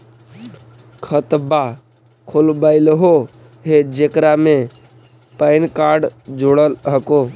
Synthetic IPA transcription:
kʰət̪ba | kʰolbəɪlɦo | ɦed͡ʒekɾamẽ | pəɪnkaːɾɖd͡ʒoɽəlɦəkoː

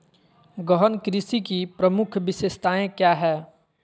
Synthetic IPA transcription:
ɡɔɦənkɾɪsikipɾəmʊkʰʋɪsest̪aːẽkjaːɦɛː

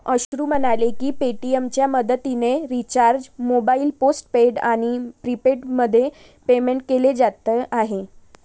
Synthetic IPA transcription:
əɕɾuːmənalekiːpeʈiemt͡ɕjaməd̪ət̪ineɾit͡ɕaɾd͡ʑmobailposʈpeɖaɽ̃ipɾipeʈməd̪ʱːje | pemeɳʈ̚keled͡zat̪əʔaɦe

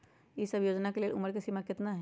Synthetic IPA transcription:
jisɐbʱjoːd͡ʒnakeleːlʔʊməɾkesimakɪt̪naɦ

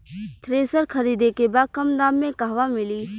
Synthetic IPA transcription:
t̪ʰɾeːsəɾkʰɐɾiːd̪ekebaːd̪̚kɐmd̪aːmːẽkaːʋamɪliː

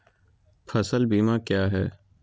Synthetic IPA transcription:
fʰɐsəlbiːmakjaːɦɛ̰ː

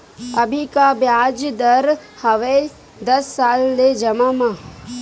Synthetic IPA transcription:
ɐbʱikabjaːd͡ʒd̪əɾhɐʋe | d̪ɐsːaːlːed͡ʒɐmamã

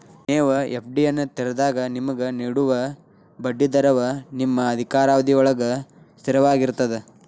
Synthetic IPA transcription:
neːʋɐepʰɖijɐnːut̪iɾɐd̪aːɡɐnimɐɡeniɽuʋɐ | bɐɖːid̪ɐɾɐʋɐnimːɐːd̪ʱikaːɾaːʋɐd̪iɔɭɐɡɐ | st̪iɾɐʋaːɡiɾt̪ɐd̪e

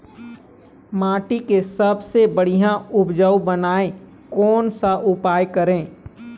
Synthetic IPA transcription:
maːʈikesɐbsebəɽ̤ijãʊbd͡ʒəubənaːe | kɔːnsaʔʊpaːjkɐɾẽː

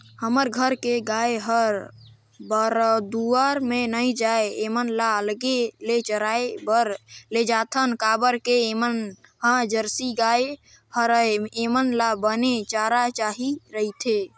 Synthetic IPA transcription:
həməɾɡʱəɾkeɡaeɦəɾ | bəɾd̪uəɾmenəjd͡ʒaeemənlaəlɡelet͡ʃəɾaebəɾled͡ʒat̪ʰənkabəɾkemənhãd͡ʒəɾsiɡae | həɾəemənlabənet͡ʃaɾat͡ʃaɦiɾəɦit̪ʰe

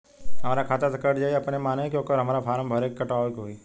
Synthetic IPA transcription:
ɦəmaːɾakʰaːt̪asɐkəʈd͡ʒaːɐpnemaːnekjõːkəɾɦəmaːɾapʰaːɾəmbʱəɾeːkːəʈaːʋkɦoːi

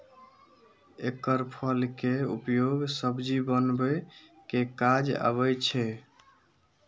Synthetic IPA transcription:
ekəɾpʰəlkeṵpjoɡsəbd͡ʒibənbəkekad͡ʒa̰βət͡ʃʰɛ

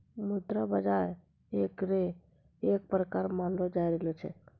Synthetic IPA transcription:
mud̪ɾəbəd͡ʒaɾ | ekɾe | ek̚pɾəkaɾmanlod͡ʒajɾelɔt͡ʃʰɛ̰

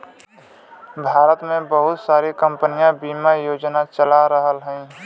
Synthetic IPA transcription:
bʱaːɾət̪mẽbəɦʊt̪saːɾikə̃mpənijãbiːmajoːd͡ʒnat͡ʃəlaɾəɦəlɦɛ̃

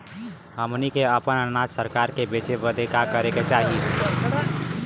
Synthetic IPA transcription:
ɦəmnikeəpənənad͡ʒsəɾkaɾkebet͡ʃebəd̪ʱekakəɾeket͡ʃaɦi

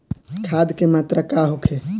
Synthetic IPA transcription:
kʰad̪kemat̪ɾəkaɦokʰe

